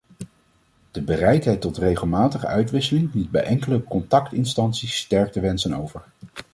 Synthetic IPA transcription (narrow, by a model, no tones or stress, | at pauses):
d̥əbərɛjtɦɛjtɔtrejχəlˠmaːtəχə̰œɥtʋɪsəlɪŋlid̚bɛjʔɛŋkələkɔntɑktɪnstɑntsisːtɛɹk̚təʋɛnsəno̰wvəɹ